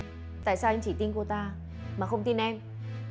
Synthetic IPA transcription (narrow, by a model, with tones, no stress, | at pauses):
t̪a̰ː˧˨jsaː˧wʔa˧ŋ̟t͡ɕi˧˩t̪i˧ŋku˧˩t̪aː˧ | maː˨˩xə˧wŋ͡mt̪i˧nʔɛ˧m